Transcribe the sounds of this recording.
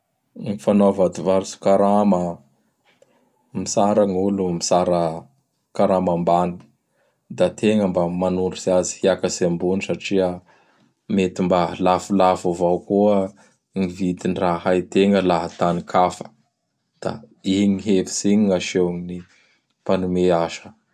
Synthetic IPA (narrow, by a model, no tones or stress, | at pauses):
ŋifanovad̪ivaɾsu̥kaɾamə | misaɾaŋulumisaɾə | kaɾamambani̥ | d̪at̪ʰeŋəmbamanuɳɖ͡ʐusiazi̥hiakəsembunisaʈ͡ʂiə | met̪imbalafulafavawkuə | ŋivid̪inrahajt̪eŋəlaɦət̪anikʰafə̥ | d̪̥a̰iŋiɦefi̥siɲiŋaʃewŋini | panumeaʃə̥